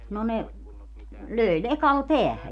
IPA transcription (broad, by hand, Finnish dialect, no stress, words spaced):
no ne løˑi lekɑl peæhæ